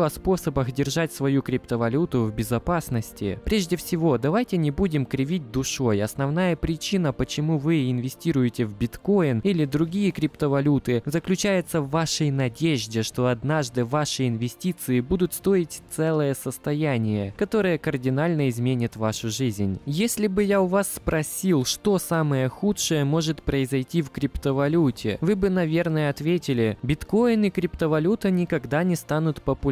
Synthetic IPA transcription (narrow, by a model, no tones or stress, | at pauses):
ɐspo̞səbəxdʲɪrʐatʲsvɐjukɾʲɪpt̪əvɐlʲut̪ʊvbʲɪzɐpasnəsʲtʲɪ̰pɾʲeʐdʲɪfsʲɪvo̞d̪ɐvajtʲɪnʲɪbudʲɪmkɾʲɪvʲit̚ʲd̪ʊʂo̞jɐsnɐvnajəpɾʲɪt͡ɕinəpət͡ɕɪmuvɨɪnvʲɪsʲtʲiɾʊjɪtʲɪvbʲɪt̪ko̞jɪnilʲɪd̪ɾʊɡʲijəkɾʲɪpt̪əvɐlʲut̪ɨzəklʲʉt͡ɕæjɪt̪səvːaʂəjnɐdʲeʐdʲɪʂt̪o̞ɐd̪naʐd̪ɨvaʂɨɪnvʲɪsʲtʲit̪sɨɪbud̪ʊt̪st̪o̞ɾʲɪtʲt̪sɛlˠəjəsəst̪ɐjænʲɪjəkɐt̪o̞ɾɨjəkərdʲɪnalʲnəɪzmʲenʲɪt̪vaʂʊʐɨzʲnʲjesʲlʲɪbɨjaʊvasːpɾɐsʲilˠʂt̪o̞saməjəxutʂɨjəmo̞ʐɨt̪pɾəɪzɐjtʲifkɾʲɪpt̪əvɐlʲutʲɪ̰vɨbɨnɐvʲe̞rnəjəɐt̪vʲetʲɪlʲɪbʲɪt̪ko̞jɪnɨkɾʲɪpt̪əvɐlʲut̪ənʲɪkɐɡd̪anʲɪst̪anʊt̪pəpʊ